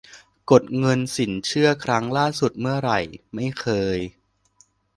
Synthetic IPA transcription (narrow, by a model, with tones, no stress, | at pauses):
ko˨˩t̪̚ŋɤ˧nsi˩˦nt͡ɕʰɯ˥˩ɐkʰɾa˦˥ŋlaː˥˩su˨˩t̪̚mɯ˥˩ɐɾa˨˩jma˥˩jkʰɤː˧j